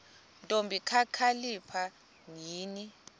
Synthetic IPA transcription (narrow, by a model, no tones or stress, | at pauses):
ntʼombʱikʰakʰalipʰa | ŋiːni